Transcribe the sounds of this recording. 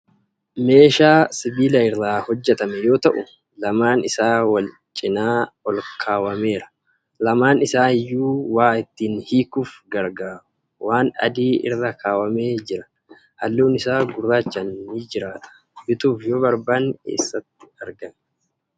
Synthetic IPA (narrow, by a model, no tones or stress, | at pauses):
me̞ːʃaːsɪbiːlɐɪrːaːhɔd͡ʒːɛt̪ɐmɛjo̞ːt̪ɐʔʊ | lɐmaːnɪsaːwɐl | t͡ʃʼɪnaːɔlkʰaːwɐme̞ːɾɐ̥ | lɐmaːnɪsaːɪjːuːwaːɪt̪ːiːnhiːkuːfɡɐɾɡaːɾʊ̥ | waːnɐ̰d̪iːɪ̰rːɐkʰaːwɐme̞ːd͡ʒɪɾɐ | hɐlːuːnɪsaːɡʊrːaːt͡ʃːɐnːid͡ʒɪɾaːᶑɐ̥ | bɪt̪uːfjoːbɐɾbaːnkḛːsːɐt̪ːɪ̥ɐɾɡɐmɛ